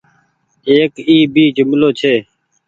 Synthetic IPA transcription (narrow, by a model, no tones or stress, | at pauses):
eːkiːbiːd͡ʒʊmloːt͡ʃʰeː